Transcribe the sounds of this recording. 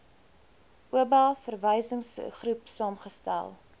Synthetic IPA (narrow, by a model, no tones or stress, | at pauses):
ʔuəbɑfərvəjsəŋsχrupsɑːmχəstæ̰lˠ